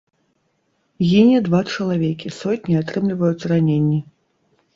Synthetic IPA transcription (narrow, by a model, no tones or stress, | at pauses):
ɣʲinʲid̪vat͡ʂɐlˠavʲekʲisɔtʲnʲiat̪ɾɨmlʲivɐjusʲranʲenʲːi